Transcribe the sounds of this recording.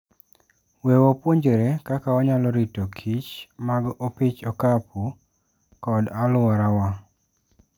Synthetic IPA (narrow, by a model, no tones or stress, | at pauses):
wɛwɔpwoɲd͡ʒeɾekakaɔɲalɔɾitokʰit͡ʃmaɡopit͡ʃɔkapu | kɔdalʊaɾawa